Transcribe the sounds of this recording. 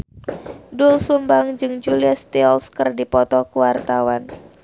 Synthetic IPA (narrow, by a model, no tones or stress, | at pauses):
dulsumbaŋd͡ʒɨŋd͡ʒuliast̪iɔlskərdipɔt̪ɔkuwart̪awan